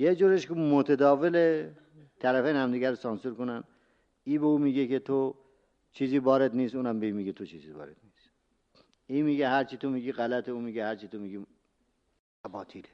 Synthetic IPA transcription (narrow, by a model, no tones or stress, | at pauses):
jed͡ʒuːɾeʃkemot̪ʰed̪ɒːvele | t̪ʰæɾæfejnhæmd̪iɡæɾsɒnsuɾkonæn | iːbeuːmiːɡeket̪ʰo | t͡ʃʰiːziːvɒːɾed̪niːsuːnæmbeiːmiːɡet̪ʰot͡ʃʰiːzivɒ̰ːɾed̪̥niːs | iːmiːɡeɦæɾt͡ʃʰit̪ʰomiːɡiːɣælæt̪ʰeuːmiːɡehæɾt͡ʃit̪ʰomiːɡi | æbɒːt̪ʰile